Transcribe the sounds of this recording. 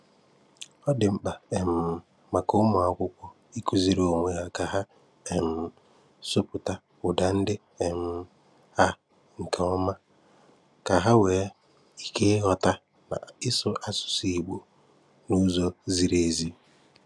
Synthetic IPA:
ɔ˦dɪ˨ŋ͡m̩˦k͡pa˨e˨m̩˨ | ma˨ko˦mʊ˨a˨kʷʊ˦kʷɔ˦ | i˦ku˦zi˨ɾo˨ŋʷe˦ɣa˨ka˨ɦa˦ | e˨m̩˦˨ | sʊ˦pʊ˨ta˦ | ʊ˨da˨n̩˦dɪ˦ | e˨m̩˦ | ha˦ | ŋ̩˨kʰa˨ɔ˦ma˦ | ka˨ɦa˦we˨˦ | i˨kʰe˦ɦɔ˦ta˦ | na̰˨ɪ˦sʊ˦ʔa˦sʊ̥˨si˦i˨ɡ͡bo˨ | nu˦zo˦zi˦ɾe˨zi˦

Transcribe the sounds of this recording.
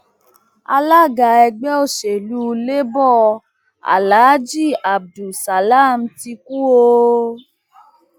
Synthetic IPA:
a̰˧la˦ɡa˨ɛ˧ɡ͡bɛ˦o˦˨ʃe˨lu˧˦le˦bɔ˦ | a̰˨laː˨˦d͡ʒi˦˨a˨b̚du˨sa˨la˦˨m̩˦ti˧ku˦o˧

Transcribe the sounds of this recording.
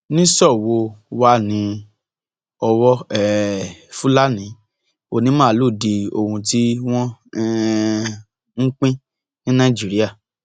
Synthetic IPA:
nĩ˦sɔ˦˨wo˧wa˦nĩ˧ | ɔ˧wɔ˦ɛ˦˨fu˦la˦nĩ˨˦ | o˧nĩ˨˦mãː˦˨lo˦˨di˧o˧hũ˧ti˦w̃ɔ̃˦ | ŋ̩˦k͡pĩ˦ | nĩ˦nã˦˨d͡ʒi˨˦ɾi˦a˦˨

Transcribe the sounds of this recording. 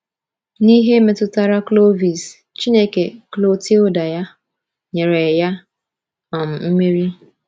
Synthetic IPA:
ni˦ɦe˦me˦tʊ˦ta˦ɾa˦klo˦vi˨s | t͡ʃi˦ne˦ke˨klo˦ti˦o˦da˨ja˦ | ɲe˨ɾe˨ja˦ | ɔ˨m̩˨m̩˦mi˦ɾi˦

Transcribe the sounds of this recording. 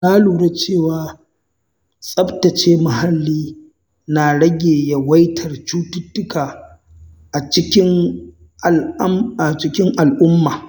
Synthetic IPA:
laː˦luː˨ɽe˦t͡ʃeː˦˨waː˨ | sʼɐ˦btɐ˨t͡ʃeː˦ma˨ha˦lːiː˦ | naː˨ɽɐ˦ɡʲeː˨ja˦wɐ˦jtʰɐ˨rt͡ʃuː˦tʊ˦tːʊ˦kaː˨ | ʔa˨t͡ʃɪ˦kʲɪ˦ŋ˨˦ | ma˨t͡ʃɪ˦kʲɪ˦ŋʔa˨lʔʊ˦mːaː˨

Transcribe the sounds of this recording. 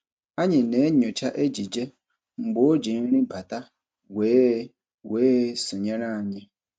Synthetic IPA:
a˦ɲɪ˨ne˨˦ɲʊ˨t͡ʃa˦ʔe˦d͡ʒi˨d͡ʒe˦ | ŋ͡m̩˨ɡ͡bo˦o˦d͡ʒi˨˦ɾɪ̃˦ba˨ta˦ | weː˨˦ | weː˨˦sʊ˨ɲa˦ɾa˦a˨ɲɪ˦

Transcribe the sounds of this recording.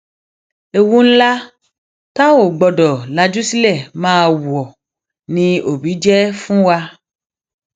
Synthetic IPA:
e˨wũ˦n̩˦la˦ | ta˦wo˦˨ɡ͡bɔ˨ɖɔ˨la˨d͡ʒu˦si˦lɛ˦˨mãː˦˨wu˨ɔ˨ | nĩ˨˧o˨bi˨˦d͡ʒɛ˦fũ˦wa˦

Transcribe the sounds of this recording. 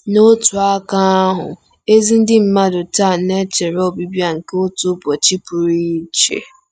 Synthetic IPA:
no˦tʊ˨a˦ka˦a˦ɦʊ̰˨ | e˦zi˦n̩˦dɪ˦m̩˦ma˦dʊ˨ta˦˨ne˦t͡ʃe˨ɾɔ˦˨bi˦bja˦ŋ̩˨ke˦o˦tʊ˦bɔ˨t͡ʃi˦pʊ˨ɾi˦t͡ʃḛ˨

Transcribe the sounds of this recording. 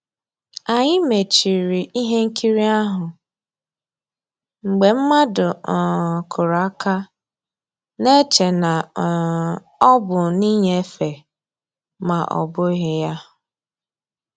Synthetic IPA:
a˨ɲɪ˦me˨t͡ʃi˨ɾi˨i˦ɦe˦ŋ̩˦kʰi˦ɾi˦a˦ɦʊ˨ | ŋ͡m̩˨ɡ͡be˨m̩˦ma˦dʊ˨ | kʰʊ˨ɾa˦ka˦ | ne˦t͡ʃe˨na˨ | ɔ˦bʊ˨ni˦ɲe˦e˦fe˨ | ma˨ʔɔ̰˨bʊ˦ɦɪ˨ja˦

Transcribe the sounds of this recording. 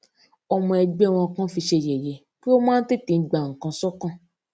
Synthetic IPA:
ɔ˧mɔ̃˧ɛ˧ɡ͡bɛ˦˨w̃ɔ̃˧kã˦fi˧ʃe˧˨je˨je˨˦ | k͡pi˦o˦mãː˦n̩˦te˦˨tĩ˧n̩˦˨ɡ͡ba˨ŋ̩˨kã˧sɔ˦kã˦˨

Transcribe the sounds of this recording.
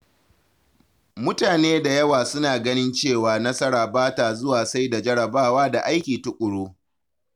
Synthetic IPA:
mʊ˦taː˨neː˦da˨jɐ˦waː˨sʊ˦naː˨ɡɐ˦nɪ˦nt͡ʃeː˦˨waː˨nɐ˦sɐ˦ɾaː˨baː˦taː˨zʊ˦waː˨sa˦jda˨d͡ʒɐ˦ɽɐ˨baː˦waː˦da˨ʔa˦jkʲiː˨tʊ˦kʷʼʊ˨ɽoː˦

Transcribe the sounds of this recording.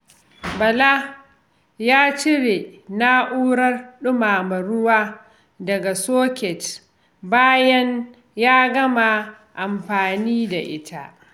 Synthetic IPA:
bɐ˨la˦ | jaː˦t͡ʃɪ˦ɽe˨na˦ʔuː˦ɽɐ˦rɗʊ˦maː˨mɐ˨ɾʊ˦waː˦ | dɐ˨ɡa˨soː˦kʲɛ˨t | baː˦jɐ˦n | jaː˦ɡɐ˦ma˨ | ʔa˨mɸaː˨niː˦da̰˨ʔɪ̰˦tʰa̰˨ʔ

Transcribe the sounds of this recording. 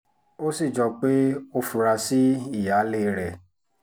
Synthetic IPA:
o˦si˦˨d͡ʒɔ˧k͡pe˦o˦fu˧ɾa˧si˦i˦˨ja˨˦le˦ɾɛ˨

